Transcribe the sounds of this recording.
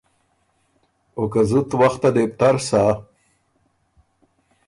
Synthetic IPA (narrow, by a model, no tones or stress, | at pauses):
okazut̪waxt̪ad̪ep̚t̪aɾsa